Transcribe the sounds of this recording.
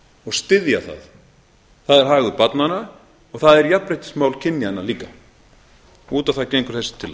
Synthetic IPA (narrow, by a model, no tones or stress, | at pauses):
ɔɣst̪ɪðjaθa̰ð | θaðɛɾ̥ɦaːɣʏpat̪nana | ɔɣθaðɛɾjapːɾejht̪ɪ̥smaːwlcʰɪnːjanːaliːka | uːt̪aθaðcejŋkʏɾ̥θɛsɪ̥t̪ʰɪlː